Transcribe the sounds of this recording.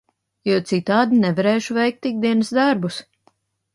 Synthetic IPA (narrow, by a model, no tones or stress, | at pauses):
juɔt̪sit̪aːd̪inɛvaɾeːʃuvɛjk̚t̪ːik̚d̪iɛnəsd̪aɾbus